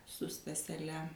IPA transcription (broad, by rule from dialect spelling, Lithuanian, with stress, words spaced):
sʊ stɐsʲɛˈlʲɛ